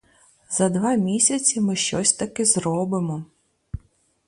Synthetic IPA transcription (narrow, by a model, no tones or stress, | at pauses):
zɐd̪ʋɑmʲisʲɐt͡sʲimɪʃt͡ʃɔsʲt̪ɐkɪzɾɔbɪmɔ